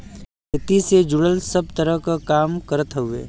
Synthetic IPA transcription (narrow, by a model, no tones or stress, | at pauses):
kɪt̪ised͡ʒʊɽəlsəb̚t̪əɾəɦkakaːmkəɾt̪ɦʊḛː